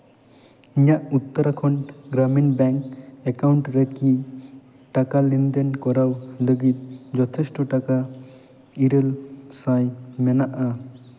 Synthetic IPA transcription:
iɲaʔut̪ːɔɾakʰɔnɡɾaminbɛŋkɛkawɳʈɾeki | ʈakalind̪enkɔɾawləɡit̪̚d͡ʒɔt̪ʰɛsʈɔʈaka | iɾəlsãjmɛnaʔa

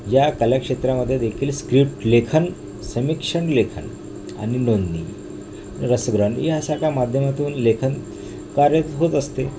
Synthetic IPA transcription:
jakəljakʂet̪ɾaməd̪ʱːjed̪ekʰiːlskɾipʈlekʰən | səmikʂəɳlekʰə̰n | a̰ninond̪nḭ | ɾəsəɡɾəɳḭɦasakamad̪ʱjəmat̪uːnlekʰən | kaɾjət̪ɦot̪əst̪e

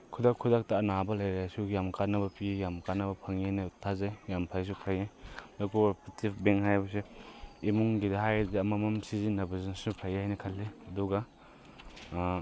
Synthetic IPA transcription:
kʰudakʰːudak̚tɐːnabɐlɐjɾajsujamkanːɐbɐpijamkanːɐbɐpʰɐŋiajnɐtʰazajjampʰajs̬upʰajajdokubɐpitipbeŋɦajbɐs̬iimuŋɡidɐhajziɐmɐmɐmsizinɐbɐzɐnsupʰajajnɐkʰɐlːiɐduɡɐ

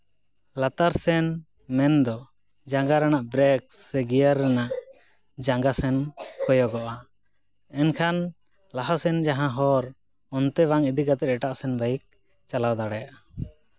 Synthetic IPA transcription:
lat̪aɾsɛn | mɛnd̪ɔ | d͡ʒaŋɡaɾanaʔbɾɛksɛɡijaɾːɛnaʔ | d͡ʒaŋɡasɛnkɔjɔɡɔʔa | ɛnkʰan | laɦasɛnd͡ʒaɦãɦɔɾ | ɔnt̪ɛbaŋid̪ikat̪ɛɾ̚ɛʈaʔsɛnbajik̚ | t͡ʃalawd̪aɽɛjaʔa

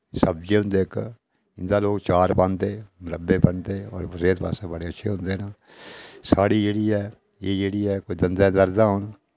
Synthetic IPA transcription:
səb̚d͡ʒeːɦʊ̃nd̪eːk | ɪnd̪aːloːɡt͡ʃaːɾpãnd̪eːmɾəbeːpənt̪eːɔ̰ːɾpəseːt̪pa̰ːsabəɽeːətːʃʰeːɦʊ̃nd̪eːna | saːɽiːd͡ʒeːɽiːɛː | eːd͡ʒeːɽiːɛːkoid̪ənd̪ãːd̪əɾd̪aːɦʊn

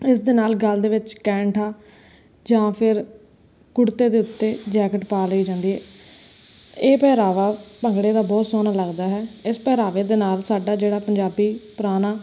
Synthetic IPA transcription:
ɪsd̪ɪːnaːlɡəld̪eːʋɪt͡ʃkɛ̃ːɳʈʰaː | d͡ʒãːpʰɪɾ | kʊɽt̪eːd̪eːʊt̪ːeːd͡ʒɛːkəʈpaːləiːd͡ʒãːnd̪iːɦɛː | eːpɛːɾaːʋaːpəŋɡɽeːd̪aːbɔːt̪soːnaːləɡd̪aːɦɛːɪspɛːɾaːʋeːd̪eːnaːlsaːɖaːd͡ʒeːɽaːpəɲd͡ʒaːbiːpɾaːnaː

